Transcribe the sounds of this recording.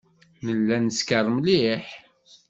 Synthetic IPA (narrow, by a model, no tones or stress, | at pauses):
nəlːænəskərˤːmliħ